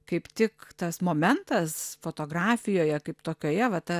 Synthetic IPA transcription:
kɐɪpt̪ʲɪkt̪ɐsmoːmʲɛnt̪ɐsfoːt̪oːɡrɑːfʲɪjoːjɛkɐɪpt̪oːkʲoːjɛʋɐt̪ɐ

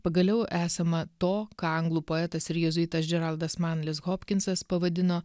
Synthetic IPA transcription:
pɐɡɐlʲɛʊʔæːsɐmɐt̪oːkɑɐŋɡlˠuːpoːɛt̪ɐsɪɾjɛzʊiːt̪ɐsd͡ʒʲɛɾɐlˠd̪ɐsmɑːnlʲɪsɣoːpʲkʲɪnsɐspɐʋɐd̪ʲɪnoː

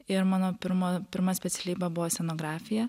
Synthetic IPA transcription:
ɪɾmɑːnoːpʲɪɾmoːpʲɪɾmɐsʲpʲɛt̪sʲɛlʲiːbɐbʊʋoːsʲɛnoːɡɾɑːfʲɪjɛ

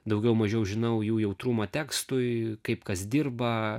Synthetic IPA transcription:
d̪ɐʊɡʲɛʊmɐʒʲɛʊʒʲɪnɐʊjuːjɛʊt̪ɾuːmɐt̪ʲæːkst̪ʊjkɐɪpkɐsd̪ʲɪrbɐ

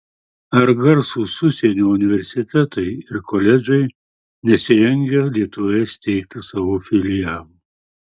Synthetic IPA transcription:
ɐɾɡɐɾsusʊsʲɛnʲoːʊnʲɪʋʲɛɾʲsʲɪt̪ʲɛt̪ɐɪɪɾkolʲɛd͡ʒʲɛɪ | nʲɛsʲɪɾʲɛŋʲɡʲɛlʲiɛt̪ʊʋʲɛsʲt̪ʲɛɪk̚t̪ʲɪsɐʋofʲɪlʲɪjælˠ

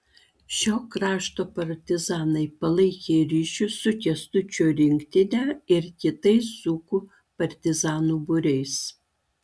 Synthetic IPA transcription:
ʃʲoːkɾɑːʃt̪oːpɐɾʲt̪ʲɪzɑːnɐɪpɐlˠɐɪkʲeːɾʲiːʃʲʊsʊkʲɛst̪ʊt͡ʃʲuɾʲɪŋʲkt̪ʲɪnʲæɪɾkʲɪt̪ɐɪsːuːkʊ | pɐɾʲt̪ʲɪzɑːnuːbʊɾʲɛɪs

